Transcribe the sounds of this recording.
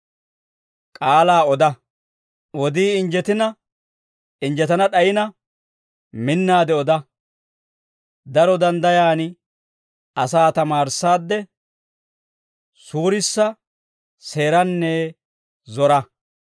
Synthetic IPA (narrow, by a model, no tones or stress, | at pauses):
kʼaːlaːɔd̪ɐ | ɔd̪iːɪnd͡ʒɛt̪ɪnɐ | ɪnd͡ʒɛt̪ɐnɐɗɐjɪnɐ | mɪnːaːd̪ɛɔd̪ɐ | d̪ɐɾɔd̪ɐnd̪ɐjaːn | ɐsaːt̪ɐmaːɾsaːd̪ːɛ | suːɾɪsːɐ | se̞ːɾɐnːe | zɔɾɐ